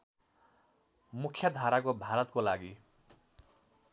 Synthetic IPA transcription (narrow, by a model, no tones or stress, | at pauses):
mukʰjʌd̪ʱaɾakobʱaɾʌt̪kolaɡi